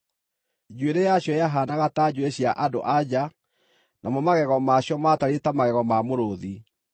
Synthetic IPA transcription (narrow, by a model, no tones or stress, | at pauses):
d͡ʑweɾejaɕjɔjaɦaːnaɣataɟueɕiaʔado̰ʔad͡ʑa | nʔamɔmaɣɛɣɔmaɕjɔmataɾetamaɣɛɣɔmamoɾoði